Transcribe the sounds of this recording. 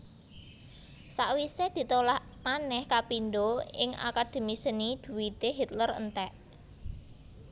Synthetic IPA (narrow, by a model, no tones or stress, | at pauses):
saʔwised̪̥i̤t̪olaʔ | manɛhkapinɖoɪ̰ŋa̰kad̪̥e̤misənid̪̥ṳwit̪eɦit̪lərə̰nt̪ɛʔ